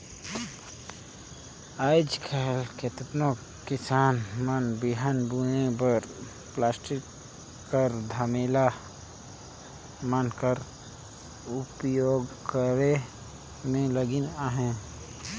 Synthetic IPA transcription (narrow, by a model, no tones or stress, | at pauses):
aɪd͡ʒkʰɛɦlket̪ət̪no | kɪsaːnmənbɪɦanbunebəɾ | plaːsʈɪkː | əɾd̪ʱəmela | mənkəɾ | ʊpjoːɡkəɾe | mẽləɡɪnaɦɛ̃